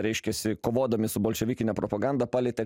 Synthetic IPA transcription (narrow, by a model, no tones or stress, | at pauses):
ɾʲɛɪʃʲkʲɛsʲɪkoːʋoːd̪ɐmʲɪsʊboːlʲʃʲɛʋʲɪkʲɪnʲɛpɾopɐɡɑnd̪ɐpɑːlʲɛt̪ʲɛ